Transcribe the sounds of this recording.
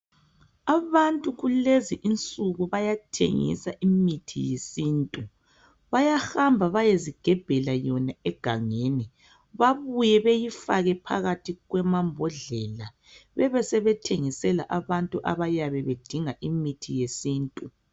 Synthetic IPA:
aβantʼuɣuleziʔint͡sʼuɣuβajatʰḛŋḭsaʔimitʰḭjesiːntʼu | βajahambʱaβajeziɡ̥ʱɛb̥ʱɛlajɔnaɛɡ̥ʱaŋeːni | βaβujɛβejifa̰ɣɛpʰa̰ɣatʰiɣwɛmambʱɔɮɛːla | βɛβɛsɛβɛtʰeŋisɛla̰ʔaβantʼuʔa̰βajaβɛβed̥ʱiŋaʔimitʰijesiːntʼu

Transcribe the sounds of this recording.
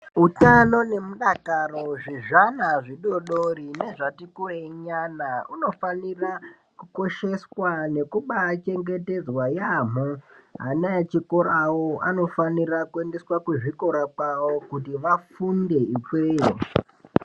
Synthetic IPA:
utano̞ne̞muɗakaro̞ʐiʐanaʐiɗo̞ɗoɾine̞ʐatikueɲanauno̞fanira | kuko̞ʃe̞swane̞kuɓat͡ʃe̞ŋɡe̞te̞d͡zwajamoɦanat͡ʃikoɾawoano̞fanirakue̞nde̞swakuʐiko̞ɾakawo̞kutiʋafunde̞ikweːji

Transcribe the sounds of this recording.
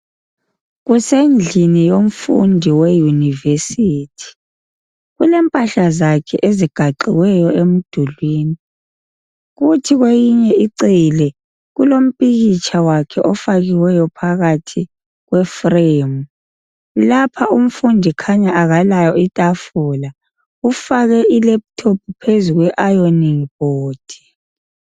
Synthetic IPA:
ɣusend͡ɮʱinijom̩fṵndʱiwɛjunivesiːtʰi̥ | ɣulɛmpʼaɬazakʰɛ̰ʔeziɡ̥ʱaǃiwɛjɔem̩d̥ʱulwiːni | ɣutʰiɣwejiɲɛiǀilɛ | ɣulom̩pʼiɣit͡ʃʰʼawakʰɛʔɔfaɣiwɛjɔpʰaɣatʰi | ɣwɛfreːmu | lapʰaʔum̩fundʱikʰaɲaʔaɣalajɔitʼafula | ufaɣɛʔilɛp̚tʰop̚ʰupʰezuɣwɛʔajoniŋb̥oːd̥ʱi̥

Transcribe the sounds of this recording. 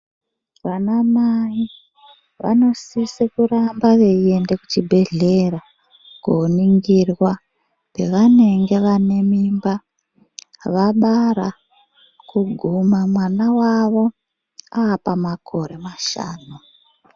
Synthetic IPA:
ʋanamai | ʋa̰no̞sisekurambaʋe̞ie̞nde̞kut͡ʃibʱe̞ɮe̞ra | ɡ̥oːniŋɡirwa | pe̞ʋane̞ŋɡe̞ʋane̞mimba | ʋaɓaɾa | kuɡʱumamwanawaʋo̞ | aːpamakʰo̞ɾe̞maʃa̰ːnu

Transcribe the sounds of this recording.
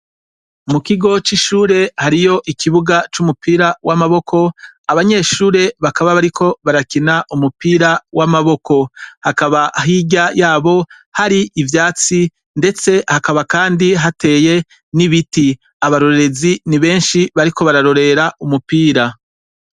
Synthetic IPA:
mukiɡo̞t͡ʃiʃuːɾe̞haɾijo̞ʔikiβuɡat͡ʃumupiːɾawamaβo̞kʰo̞aβaɲe̞ʃuːɾe̞βakaβaβaɾikʰo̞βaɾakinaʔumupiːɾawamaβo̞kʰo̞hakaβaɦiːɟajaːβo̞ | haɾiʔːvjaːt͡si | nde̞t͡se̞hakaβakaːndiɦate̞je̞ | niβiti | aβaɾo̞ɾeɾe̞ziniβe̞ːnʃiβaɾiko̞βaɾaɾo̞ɾe̞ɾaumupiːɾa

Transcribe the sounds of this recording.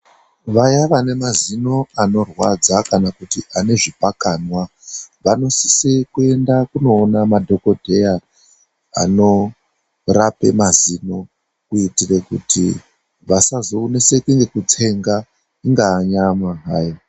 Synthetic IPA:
ʋajaʋane̞mazino̞ano̞rwad͡zakanakutiʔane̞ʐipakanwa | ʋano̞si̥sikue̞ndakuno̞ːnamadʱo̞ko̞dʱe̞ja | a̰no̞ | rape̞̰mazino̞ | kuitirekṵtḭ | ʋasazoːnese̞kuŋɡe̞kut͡sʰe̞ŋɡa | iŋɡaːɲamaɦaːja

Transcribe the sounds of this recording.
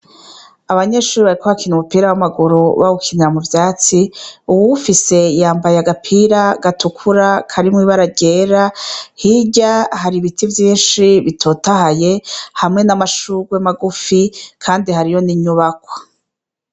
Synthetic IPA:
aβaɲeʃuːɾiβaɾikohakʰinumupiːɾawamaɡuɾuβaukʰiniɾamuvjaːt͡siuwuufise̞jaːmbajaɡapʰiːɾaɡatukʰuɾakʰaɾimŋiːβaɾaɟeːɾahiɟahaɾiβitʰivjiːnʃiβitʰo̞ːtahaje̞hamŋe̞namaʃuɡwemaɡufikʰaːndihaɾijo̞niɲuβakwḁ

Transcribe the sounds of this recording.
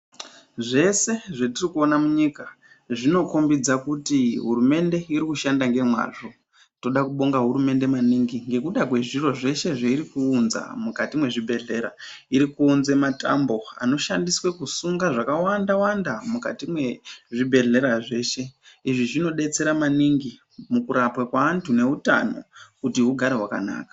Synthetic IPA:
ʐe̞se̞ʐatirikuo̞namuɲika | ʐino̞kombid͡zakutiɦuɾume̞nde̞iɾikuʃandaŋɡe̞mwa̰ʐo̞ | to̞ɗakuɓo̞ŋɡaɦuɾume̞nde̞maniŋɡiŋɡe̞kuɗakwe̞ʐiro̞ʐe̞ʃe̞ʐaiɾikuːnza̰mukatimwe̞ʐibʱe̞ɮe̞ɾa | iɾikuːnzemata̰mbo̞a̰no̞ʃandiswekusuŋɡaʐakawandawandamuka̰timwe̞ʐibʱe̞ɮe̞ɾaʐe̞ːʃe̞iʐiʐino̞ɗe̞t͡se̞ɾamaniŋɡi | mukuɾapwakwaːntʰune̞ɦuta̰no̞̰kutiɦuɡʱaɾe̞ɦwaka̰na̰ːkḁ

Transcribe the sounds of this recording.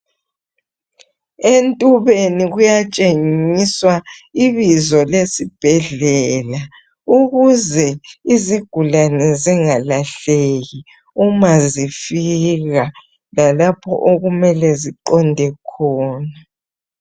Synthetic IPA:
entʼuβeniɣujat͡ʃʼeŋiswaiβizɔlesib̥ʱɛɮɛːla | uɣuzɛiziɡ̥ʱulanɛziŋalaɬeɣi | umazifiɣa | lalapʰɔ̰ʔoɣumɛlɛziǃɔndʱɛkʰɔːna

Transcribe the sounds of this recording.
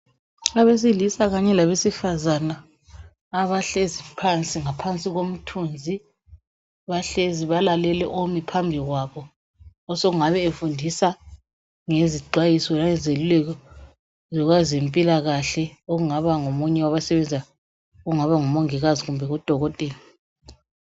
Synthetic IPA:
aβes̬ilisaɣaɲɛlaβesifazanaː | βaɬezipʰant͡sʼiŋapʰant͡sʼiɣom̩tʰund͡zʱi | βaɬeziβalalɛlɛ̰ʔomipʰambʱiɣwaβɔː | sɔɣuŋaβɛefundʱisa | ŋeziɡ͡ǀʱwajisɔlajɛzelulɛkɔ | zɔɣwazempʼilaɣaɬɛoɣuŋaβaŋomuɲɛwaβasɛβɛnd͡zʱa | oɣuŋaβaŋumoŋiɣaziɣumbʱɛɣud̥ʱɔɣɔtʼɛːla

